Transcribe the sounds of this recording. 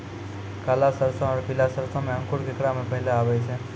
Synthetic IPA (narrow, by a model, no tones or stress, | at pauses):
kalasəɾsɔ̃ɔːɾkilasəɾsɔ̃meə̃ŋkuɾkekɽamepəɦileabɛt͡ʃʰɛ